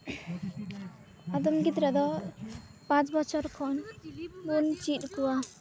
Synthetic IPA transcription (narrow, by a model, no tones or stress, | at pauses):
ad̪ɔmɡit̪ɾad̪ɔ | pãt͡sbʌt͡ʃʰʌɾkʰɔnmunt͡ʃiʈkua